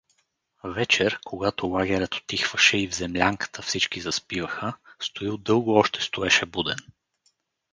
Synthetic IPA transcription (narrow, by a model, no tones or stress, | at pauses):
vɛt͡ʃɛɾkʰoɡat̪olˠaɡʲɛɾʲət̪o̥t̪ːixv̥əʃɛivzɛmlʲaŋkə̥t̪ʰəfsit͡ʃkizɐspivəxəst̪oilˠd̪ɤlˠɡʊɔʃt̪ɛ̥st̪oɛʃɛbud̪ɛn